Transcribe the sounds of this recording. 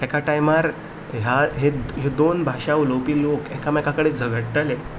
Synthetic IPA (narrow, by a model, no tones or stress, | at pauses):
ɛkaʈajmaɾ | ɦjaɦeɦed̪onbʱaɕaʋulopiːlokɛkamɛkakəɽed͡zʱəɡəɽt̪ale